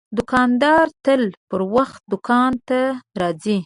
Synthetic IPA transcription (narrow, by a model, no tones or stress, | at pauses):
d̪ʊkɑnd̪ɑɾt̪əlpəɾwaxt̪̚d̪ʊkɑnt̪aɾɑzi